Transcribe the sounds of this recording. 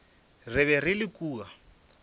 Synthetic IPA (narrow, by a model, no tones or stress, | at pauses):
rɪβɛrɪlɪkʼuːɣa